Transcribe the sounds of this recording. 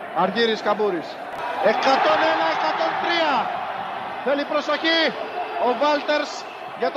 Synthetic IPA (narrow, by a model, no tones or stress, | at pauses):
ɐɾʝiɾiskɐbuɾis | e̞kɐt̪o̞nenɐekɐt̪o̞nt̪ɾiɐ | θelipɾo̞so̞çio̞vɐlt̪e̞ɾs | ʝɐt̪